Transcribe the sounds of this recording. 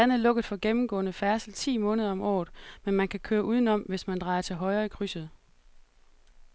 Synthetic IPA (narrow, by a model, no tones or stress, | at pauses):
æn̰ðlɔ̽ɡ̥ð̩ˠfɒ̽ɡ̥emm̩ɡ̥ɔ̰ːnəfæɐsl̩t͡sʰḭːmɔ̽ːnəð̞ˠɐɒ̽mʔɒ̰ːð̩ˠmenmænkʰækʰøːɐʔuð̞ˠn̩ɒ̽m̰ʋe̝smænd̥ʁɑ̈ɪɐt͡sʰe̝lɦɒ̽ɪʁɐːikʰʁysəð̩ˠ